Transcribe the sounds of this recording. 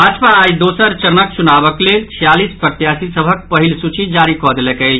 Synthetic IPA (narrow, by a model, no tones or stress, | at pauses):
bʱaːd͡ʒpaːjd̪oːsəɾt͡ʃəɾnək̚t͡ʃunaːbəklet͡ʃʰijaːlispɾət̪jaːsisəbʱək̚pəɦilsut͡ʃid͡ʒaːɾikɔd̪lɛkə